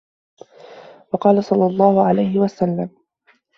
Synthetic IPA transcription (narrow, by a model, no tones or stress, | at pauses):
wɑqɑːlasˤɑlːɑlˤːɑːhʊʕalajhɪwasalːam